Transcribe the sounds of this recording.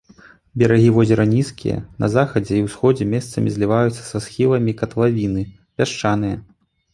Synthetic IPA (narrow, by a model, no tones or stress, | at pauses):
bʲɛɾaɣʲivɔzʲɛɾɐnʲiskʲḭjɐ̰nɐ̰zaxɐd͡zʲɛiwsxɔd͡zʲɛmʲɛst̪sɐ̰mʲizʲlʲivajut̪sːɐ̥sasxʲilˠɐmʲikɐt̪lˠavʲinɨ | pʲaʂt͡ʂanɨjɐ